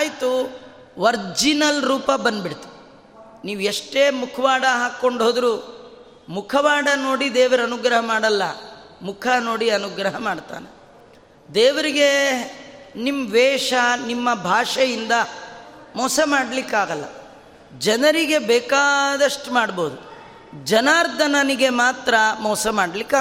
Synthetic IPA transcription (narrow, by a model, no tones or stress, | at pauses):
jt̪u | ʋɐɾd͡ʒinɐlɾuːpɐbɐnd̪biɽt̪i̥i | niːʋueʂʈeːmukʰɐʋaːɽɐɦaːkːo̞ɳɖɦoːd̪ɾuː | mukʰɐʋaːɽɐno̞ːɽid̪eːʋɐɾɐnuɡɾɐɦɐmaːɽɐlːɐ | mukʰɐno̞ːɽiɐnuɡɾɐɦɐmaːɖt̪a̰ːne | d̪eːʋɐɾiɡe̞ | nimʋɛːʂɐnimːɐbʱaːʂɐjind̪ɐ | mɔːsɐmaːɽɐlikːaːɡɐlːɐ̰ | d͡ʒɐnɐɾiɡe̞bɛːkaːd̪ɐʂʈumaːɽbo̞ːd̪u | d͡ʒɐnaːɾd̪ʱɐnɐniɡe̞maːt̪ɾɐmɔːsɐmaːɽlikːaː